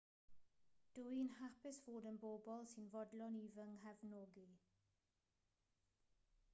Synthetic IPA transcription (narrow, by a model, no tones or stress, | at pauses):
d̥uinhapɪsv̥oːdənboːbɔlˠsinvɔdlɔniːvəŋɦɛvnoːɡi